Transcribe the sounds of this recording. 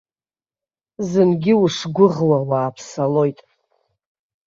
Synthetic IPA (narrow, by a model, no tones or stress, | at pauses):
zɨnɡʲɪuʂɡʷʊʁwawaːpʰsalo̞jtʼ